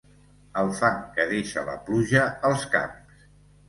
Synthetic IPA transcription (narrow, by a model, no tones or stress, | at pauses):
əlˠfaŋkəðeʃə̰lə̰pluʒəːlˠska̰ms